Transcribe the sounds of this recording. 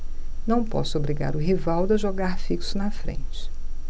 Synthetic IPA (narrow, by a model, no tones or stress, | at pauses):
nɐ̃w̃pɔ̰sʊobɾiɡa̰ɾʊɦivawd̪ɐʒoɡaɾfiksʊnɐfɾḛ̃nt͡ʃɪ̥